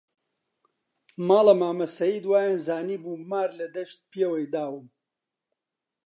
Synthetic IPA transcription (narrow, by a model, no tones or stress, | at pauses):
mɑːlɐmaːmɐsɐjiːd̪waːjanzaːniːbuːmaːɾlɐd̪ɐʃt̪̚pjewɐjd̪aːwɨm